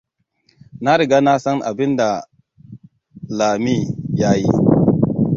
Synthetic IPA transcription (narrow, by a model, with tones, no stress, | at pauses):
na˦ɾi˨ɡa˦na˦sa˦ŋʔa̰˨bi˦nda˨ | laː˨mi˦˨ja˦ji˦